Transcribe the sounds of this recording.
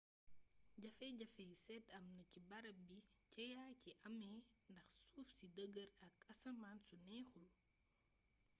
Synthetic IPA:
ɟɐfɛːɟɐfɛsɛtɐmnɐcibɐɾɐbicɐjaːciʔɐmɛːndɐxsuːfsidəɡəɾɐkɐsɐmaːnsunɛːxul

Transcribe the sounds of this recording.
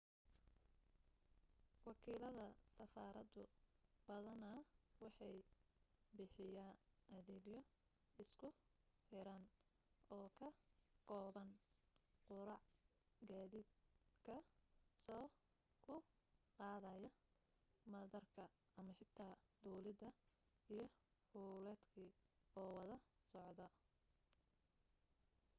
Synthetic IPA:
wɑkʰiːlɐðɐsɐfaːɾɐd̪ʊb̥ɐðɐnɐwɑħɑj | bɪħɪjaːnʔɐðɛːɡjɔ | ɪskʰʊħɪɾaːn | ʔɔːkʰɐkʰɔːβɐn | qʊɾɑʕ | ɡaːðiːd̪kʰɐsɔː | kʰʊ | qɑːðɐjɐ | mɐðɐrkʰɐ | ɐmɐħɪt̪ʰːaːd̪uːlɪd̪ɐ | ijɞhuːlɛːd̪kʰiɔːwɐðɐsɔʕd̪ɐ

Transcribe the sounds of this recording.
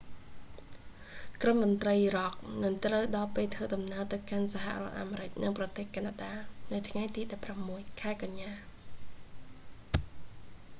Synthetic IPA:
kromːʊnt̪rəjirɑk̚nɨŋt̪rəwɗɑːpeːlt̪ʰʋəːɗɑmnaəlt̪ɨwkansaɦa̰rŏət̪̚ʔa̰ːmeːɾɨc̚nɨŋprɑt̪eːhkaːnaːɗaːnɨwt̪ʰŋajt̪iːɗɑpːramːuəjkʰaɛkaɲːaː

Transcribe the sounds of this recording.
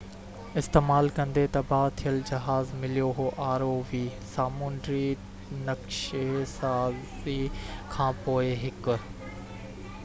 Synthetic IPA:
ɪst̪eːmaːlkɐ̃nd̪et̪ɐbaːt̪ʰijəld͡ʑɐɦaːzmɪlijoɦoʔaːɾoʋiːsaːmuːnɖɾi | nɐkʃesaːzikʰãːpoːeɦɪkʊ̆

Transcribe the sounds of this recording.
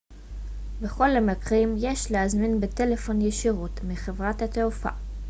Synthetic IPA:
beχo̞lamakʁimje̞ʃlehazminbete̞le̞fo̞njeʃiʁutmiχevʁathateufa̰

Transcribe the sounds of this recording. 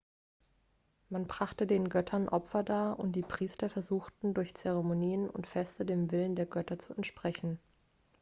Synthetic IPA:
manbʁ̥aχtədeːnɡœtʰɐnʔɔpfɐdaːɐʔʊnt̚d̥iːpʁ̥iːstɐfɛɐzuːxtn̩dʊɐçt͡sɛʁɛmoniːənʊ̰ntfɛstədeːmvɪləndeːɐɡœtɐt͡suɛntʃpʁ̥ɛçn̩

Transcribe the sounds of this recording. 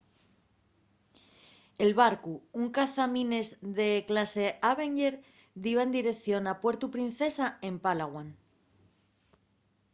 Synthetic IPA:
elβaɾkuuŋkaθamĩne̞zðe̞klase̞aβe̞ŋɟeɾ | d̪iβae̞nd̪iɾe̞kθjo̞napwe̞ɾt̪upɾin̟θe̞sae̞mpalaɣwan

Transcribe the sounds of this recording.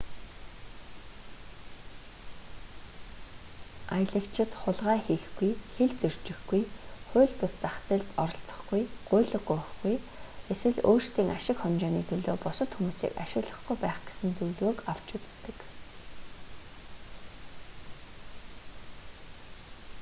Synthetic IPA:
aj̆ɮə̆kt͡ɕʰɪ̆t̪χʊɮʁaːxeɮɡujxeɮt͡sɵr̥t͡ɕɪ̆xɡujχʊ̟ːɮpʊst͡saχt͡sĕːɮt̪ɔɾɞ̆ɬt͡sə̥̆χɡujɢ̥ʊːɮə̆ɡujχɡuj | eswɘ̆ɮoːrst̪iːŋʔaʃɪ̆kχɔnʲt͡ɕɔːniːt̪ʰɵɮoːpʊsə̆t̪xumuːsḭːka̰ʃɪ̆ɣɮə̆χɡujpæːχɡ̥e̥sɘ̆nt͡sujɮɣoːkaw̥t͡ɕut͡st̪ɘ̆k

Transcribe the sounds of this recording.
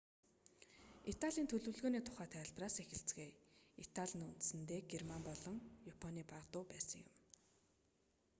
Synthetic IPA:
it̪aɮʲiːnt̪ʰɵɮɵ̆wɮɣoːniːt̪ʰʊ̥χæːt̪ʰæːɮpraːsexɪ̆ɬt͡sɡeːit̪aɮʲĭnɵnt̪sɘ̆nt̪eːɡermampɔɮɞ̆ŋjapʰɔniːpaʁt̪ʊːpæːsə̆ŋjʊ̰m

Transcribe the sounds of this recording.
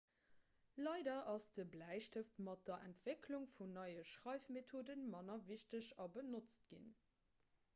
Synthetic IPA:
lɑɪdɐʔɑsd̥əblæɪʃtəftmɑt̚d̥ɐʔæ̰ntv̥ekʰluŋfunɑɪəʃʁɑɪfmetʰoːdənmɑnɐviʃtəɕɑbənot͡st̚ɡ̥ḭn

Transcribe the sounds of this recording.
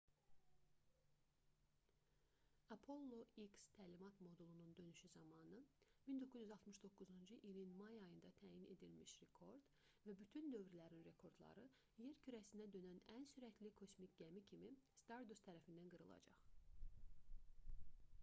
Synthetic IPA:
ɑpʰo̞lˠːo̞ikst̪ʰæːlimɑt̪mo̞d̪ulˠunund̪ø̞nyʃyzɑmɑnɯmind̪okʰːyzyzɑlˠt̪mɯʃd̪o̞kːuzund͡ʒɯʔilinmɑjɑjɯnd̪ɑt̪ʰæːjine̞̰d̪ilmiʃɾe̞kʰo̞ɾd̪̥ | væbyt̪ʰynd̪ø̞vɾilæɾinɾe̞kʰo̞ɾd̪lˠɑ̰ɾɯ | je̞ɾcʰyɾæsinæd̪ø̞nænænsyɾæt̪ʰlikʰo̞smicʲɟæmicʰimist̪ɑɾd̪ust̪ʰæɾæfind̪ænɡɯɾɯlˠɑ̰d͡ʒɑ̰χ

